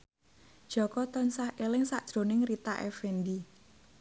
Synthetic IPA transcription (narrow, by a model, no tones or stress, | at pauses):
d̥ʒ̥ɔ̤kɔt̪ɔnsahʔelɪŋsaʔd̥ʒ̥ɾo̤nɪŋrit̪aʔɛ̰fɛndi